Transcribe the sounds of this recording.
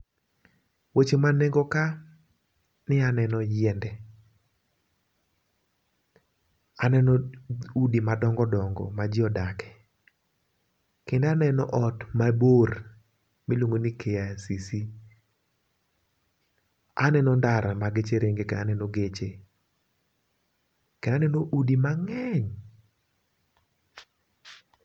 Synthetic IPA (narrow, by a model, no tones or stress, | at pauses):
wet͡ʃemaneŋɡoka | nɪanɛnɔjɛndɛ | anɛnɔudimadɔŋɡɔdɔŋɡɔ̰mad͡ʒɪɔdakɛ̥ | kɪndanɛnɔʔɔtmabor | milwoŋɡonikʰejasisi | a̰nɛnɔndaɾamaɡet͡ʃeɾʔeŋɡekeanɛnɔɡet͡ʃe | kendanɛnoʔudimaŋɛɲ